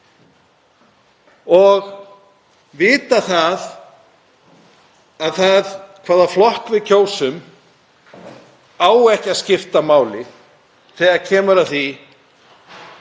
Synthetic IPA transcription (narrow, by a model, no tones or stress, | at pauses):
ɔɣ | vɪːt̪aθað | aðθaðkʰvaːðaflɔhkvɪðcʰoːwsʏm | aːwɛhcaðscɪft̪amaːwlɪ | θɛːɣaðcʰɛːmʏɾaðθi